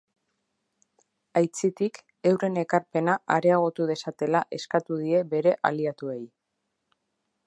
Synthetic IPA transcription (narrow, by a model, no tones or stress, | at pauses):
ajt͡sit̪ik | e̞wre̞ne̞kaɾpe̞naʔaɾe̞aɣ̞o̞t̪uð̞e̞sat̪e̞laʔe̞skat̪uð̞ie̞βe̞ɾe̞ʔa̰liat̪ue̞j